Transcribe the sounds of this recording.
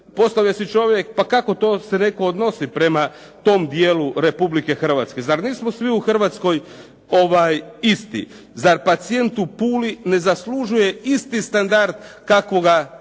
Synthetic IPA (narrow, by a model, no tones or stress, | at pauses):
po̞st̪aʋʎesit͡ʃo̞ʋje̞k̚pakako̞t̪o̞ːse̞ne̞ko̞ːd̪no̞sipɾe̞ma | t̪o̞md̪jeːluɾe̞publike̞xr̩ʋat̪ske̞zaɾniːsmosʋiuxr̩ʋat̪sko̞j | o̞ʋaːjist̪ḭ | zaɾpat̪sije̞nt̪upuːline̞zasluʒuje̞ist̪ist̪and̪aɾd̪kakʋo̞ɡa